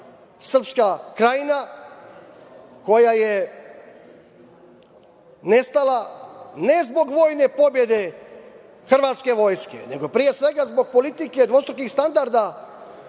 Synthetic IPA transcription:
sr̩pskakɾajina | ko̞jaje | ne̞st̪alanezbo̞ɡʋo̞ːjne̞po̞bje̞d̪e̞ | xr̩ʋaːt̪ske̞ʋo̞jskḛne̞ɡo̞pɾije̞sʋe̞ɡazbo̞ɡ̚po̞lit̪ike̞d̪ʋo̞st̪ɾokixst̪and̪aɾd̪a

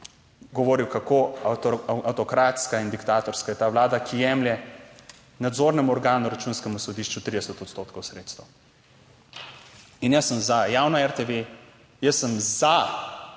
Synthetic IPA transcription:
ɡɔʋoːɾiwkakoaaawt̪ɔkɾaːt̪skaind̪ikt̪aːt̪ɔɾskajɛt̪aːʋlaːd̪akʰijɛːmljɛ | nad̪zoːɾnɛmuɔɾɡaːnuɾat͡ʃuːnskɛmusɔd̪iːʃt͡ʃut̪ɾid̪ɛsɛt̪ɔt̪st̪oːt̪kɔwsɾet̪st̪ɐ | injəsːəmzajaːwnaɛɾt̪eʋe | jəsːəmza

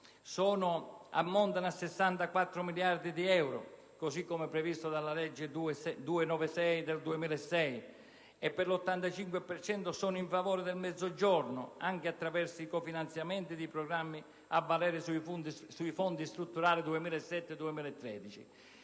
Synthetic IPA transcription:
sɔːnʊa̰mːɔnt̪anasːɛsːant̪akwat̪ːɾʊmiljaɾd̪id̪iɛwɾʊ̰ | kosikːɔmɛpːɾɛvist̪ʊd̪alːalɛd͡ʒːɪd̪uesɛd̪uɪnɔːvɪsɛjd̪eld̪uemiːlɛsːɛj | ɛpːɛɾlɔt̪ːant̪at͡ʃiŋkwɪpɛɾt͡ʃɛnt̪ʊsɔːnʊiɱfavɔːɾɪd̪ɛlmɛd̪zːod͡ʒɔɾnʊaŋkɪat̪ːɾavɛɾsiikɔfinant̪sjamɛnt̪id̪ipɾɔɡɾamːi | avːalɛːɾɪsuifunt̪suifɔnt̪ist̪ɾut̪ːuɾaːlid̪uemiːlɛsːɛt̪ːɪd̪uemiːlaɛt̪ːɾɛ̰ːd̪it͡ʃḭ

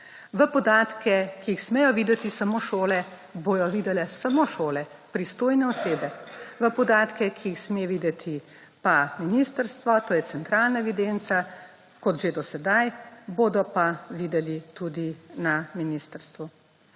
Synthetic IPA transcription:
ʋəpɔd̪aːt̪kɛkiːxsmɛjɔʋiːd̪ɛt̪isamoːʃoːlɛ | bojɔʋiːd̪ɛlɛsamoʃoːlɛ | pɾist̪oːjnɛɔseːbɛʋəpɔd̪aːt̪kɛkʰiixsmeʋiːd̪ɛt̪ʰi | paminist̪əɾst̪ʋɔt̪oːjɛt̪sɛnt̪ɾaːlnaɛʋid̪eːnt̪sa | kɔt̪ʒed̪ɔsɛd̪ajbod̪ɔpaʋiːd̪ɛlit̪ud̪inaminiːst̪əɾst̪ʋu

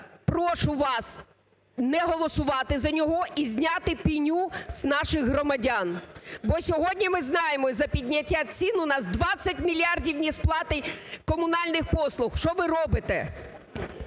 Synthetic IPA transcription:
pɾɔʃʊʋɑs | nɛɦɔlˠɔsʊʋɑt̪ɪzɐnʲɔɦɔʔizʲnʲɑt̪ɪpʲinʲuz̥nɑʃɪxɦrɔmɐdʲanbɔsʲɔɦɔdʲnʲimɪznɑjemɔzɐpʲidʲnʲɐtʲːat͡sʲinʊnɑsd̪ʋɑt͡sʲːɐtʲmʲilʲɑrdʲiwnʲisplˠɑt̪ɪjkɔmʊnɑlʲnɪxpɔslˠʊxʃt͡ʃɔʋɪrɔbɪt̪ɛ̰

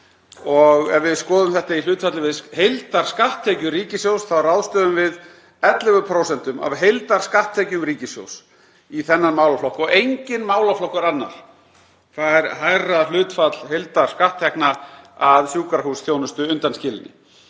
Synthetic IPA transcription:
ɔɣɛvvɪðskɔːðʏmθɛht̪ail̥ʏːt̪fat̪lɪvɪðhejlt̪aɾ̥skaht̪ʰːɛːcʏɾiːcɪsjowsθawɾawðst̪œːðʏmvɪð | ɛt̪lɪvʏpʰɾowsɛnt̪ʏma̰vɦejlt̪aɾ̥skaht̪ʰːɛːcʏmɾiːcɪsjo̰ws | iθɛnːanmaːwlaflɔhkɔɣejɲcɪnmaːwlaflɔhkaɾanːa̰ɾ̥ | θaðɛɾɦajral̥ʏːt̪fat̪l̥ɦejlt̪aɾ̥skaht̪ʰːɛknaaðsjuːkaɾɦusθjownʏst̪ʏʏnt̪anscɪːlɪnɪ̰

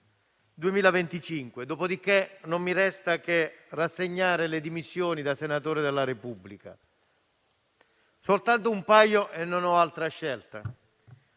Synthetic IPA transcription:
d̪uemiːlavent̪it͡ʃiŋkwed̪oːpod̪ikːenomːiɾɛst̪ak̟erasːeɲːaːɾeled̪imisːjoːnid̪asenat̪oːɾed̪elːaɾepubːlika | solt̪ant̪oumpajoʔenːonɔalt̪ɾaʃːɛlt̪a

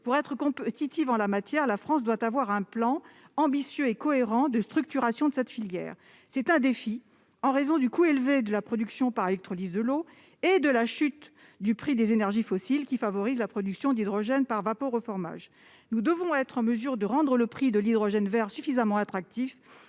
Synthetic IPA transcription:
puʁɛt̪χəkɔ̃pt̪it̪ivɑ̃lamat̪jɛʁlafχɑ̃s̬d̪wat̪avwaʁɛ̃plɑ̃ | ɑ̃bisjøekɔeʁɑ̃d̪əst̪χyk̚t̪yʁasjɔ̃d̪əsɛt̪filjɛ̰ːʁ | sɛt̪ɛ̃d̪efi | ɑ̃ʁezɔ̃d̪ykuelved̪əlapχɔd̪yksjɔ̃paʁelɛk̚t̪χɔlizd̪əlo | ed̪əlaʃyt̪ | d̪ypχid̪ezenɛʁʒifɔsilkʲifavɔʁizlapχɔd̪yksjɔ̃d̪id̪ʁɔʒɛnpaʁvapoʁofɔʁma̰ʒ | nud̪əvɔ̃ɛt̪χɑ̃məzyʁd̪əʁɑ̃d̪ʁələpχid̪əlid̪ʁɔʒɛnvɛʁsyfizamɑ̃at̪χak̚t̪if

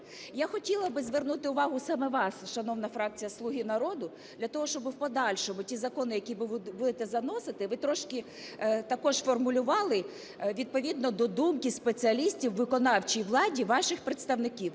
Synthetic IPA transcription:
jaxɔtʲilˠɐbɪzʋernut̪ɪʊʋɑɦʊsɑmɛʋɑsʃɐnɔwnɐfɾɑk̚t͡sʲijɐslˠuɦʲinɐɾɔd̪ʊ | d̪lʲɐt̪ɔɦɔʃt͡ʃɔbɪwpɔd̪ɑlʲʃɔmʊtʲizɐkɔnɪjɐkʲiʋɪbud̪ɪt̪ɛzɐnɔsɪt̪ɪʋɪt̪ɾɔʃkɪ | t̪ɐkɔʃfɔrmʊlʲʊʋɑlˠɪ | ʋʲid̪̚pɔʋʲid̪nɔd̪ɔd̪umkɪspet͡sʲiɐlʲisʲtʲiwʋɪkɔnɑwt͡ʃiʋlˠɑdʲiʋɑʃɪxpɾɪt̪st̪ɐwnɪkʲiw

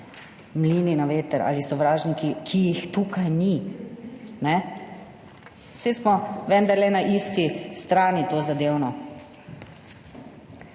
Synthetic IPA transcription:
mliːninaʋeːt̪əɾa̰lisɔʋɾaːʒnikikʰijixt̪uːkajni | nɛ | sesmɔʋɛnd̪aɾlɛnaʔiːst̪ist̪ɾaːnit̪oːzad̪eːwnɔ

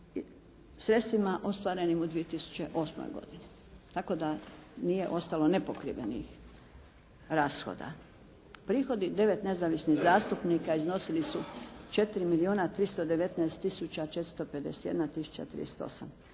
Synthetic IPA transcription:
sɾe̞t̪st̪ʋimaʔo̞st̪ʋaɾe̞nimud̪ʋiet̪isu̥t͡ɕeʔo̞smo̰jɡo̞̰d̪ini | t̪ako̞d̪anije̞̰ʔo̞st̪alo̞ne̞pokɾḭʋḛnḭx | ɾaːsxo̰d̪a̰ | pɾiːxo̞d̪id̪e̞ʋe̞t̪ne̞zaʋisniɣzaːst̪upnikaizno̞silisut͡ʃe̞t̪iɾimilioːnat̪ɾist̪od̪e̞ʋe̞t̪nɛest̪ːisut͡ɕat͡ʃet̪ɾst̪ope̞d̪e̞se̥t̪jed̪nat̪isu̥t͡ɕa̰t̪ɾḭest̪o̞̰sa̰m

